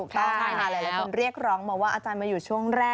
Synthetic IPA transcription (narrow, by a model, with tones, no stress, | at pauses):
kt̪ɔ˥˩ŋ˩k̪ʰaː˧˩maː˧lɤː˧˩jlaː˨˦kʰu˧nɾi˥˩ək̚ɾɔː˦˥ŋbɔː˨˩waː˥˩ʔaː˧t͡ɕaː˧nmaː˧juː˨˩t͡ɕʰu˥˩əŋɾɛː˥˩